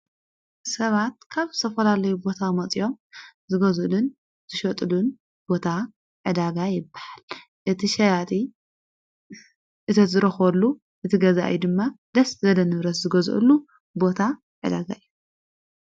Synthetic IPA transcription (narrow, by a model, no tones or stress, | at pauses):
sɐβat̪̚kʰaβt̪ʰɐfɐlalɐjubo̞t̪ʰamɐt͡sʼijo̞mzɨɡɐzɨlun | z̥ɨʃɐt̪ʼlun | b̥o̞t̪ʰa | ʕɨd̪aɡajɪbːahal | ʔɨt̪ʰiʃɐjat̪ʰʼi | ʔɨt̪ʰɐt̪zɨɾɐxɐlːu | ʔɨt̪ʰiɡɐza̰ʔjd̪ɨmːad̪ɐszɐlɐnɨβɾɐszɨɡɐzʔɨ̰lːu | bo̞t̪ʰa | ʕɨd̪aɡa̰jju